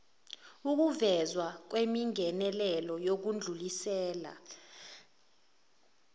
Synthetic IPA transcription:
uk̬uvɛzwak̬wemiŋʱɛnɛlɛlɔjok̬und͡ɮʱulisɛːla̰

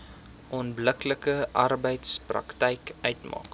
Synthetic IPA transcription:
ʔɔnbləkləkəʔɐrbəjtsprɐ̰ktɛjkœɥtmɑ̰ːk

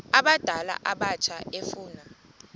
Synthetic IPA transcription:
aɓad̥ʱala̰ʔaɓat͡ʃʰaʔefuːna

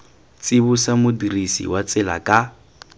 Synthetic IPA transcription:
t͡sʼɪbʊsamʊdirisḭwat͡sʼɪla̰kʼa

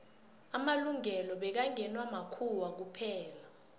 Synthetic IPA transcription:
amaluŋɛlɔɓɛk̬aŋɛnwamakʰuwak̬upʰɛːla

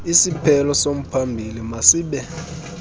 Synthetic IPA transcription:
isipʰɛlɔsom̩pʰambʱilimasiːɓɛ

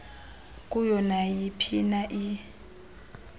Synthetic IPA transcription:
kʼujɔnajipʰinaʔi

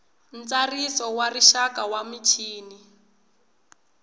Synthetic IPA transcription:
n̩t͡sarisɔwariʃakawamit͡ʃʰiːni

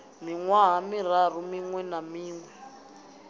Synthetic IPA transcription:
miŋwaɦamir̤ar̤umiŋwɛnamiːŋwɛ

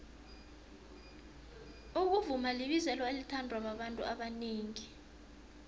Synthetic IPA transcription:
uk̬uvumaliɓizɛlwaelitʰandʱwaɓaɓantʼṵʔaɓaniːŋi

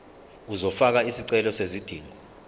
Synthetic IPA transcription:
uzɔfak̬aisiǀɛlɔsezid̥ʱiːŋɔ

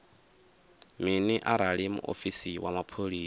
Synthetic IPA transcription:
miniʔaɾaɺimṵʔo̰fisiwʔamapʰoɺiː

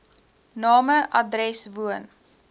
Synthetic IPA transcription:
nɑːməʔɐdrɛsvuən

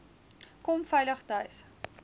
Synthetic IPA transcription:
kɔmfɐjləχtɐjs

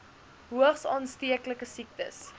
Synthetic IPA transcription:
ɦuəχsɑːnstiəkləkəsik̚tə̰s

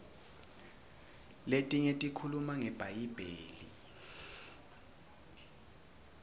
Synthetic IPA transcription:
letʼiŋetʼikʰulumaŋɛb̥ʱajib̥ʱeːlḭ

